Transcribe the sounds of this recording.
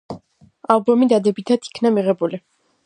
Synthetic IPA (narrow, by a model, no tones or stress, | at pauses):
alˠbɔmid̪ad̪ɛbit̪ʰat̪ʰi̥kʰnamiʁɛbuli